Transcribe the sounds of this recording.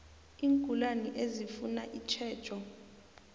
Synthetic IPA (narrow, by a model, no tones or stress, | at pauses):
iːŋkʼulaniʔezifunaʔit͡ʃʰɛːd̥t͡ʃʼɔ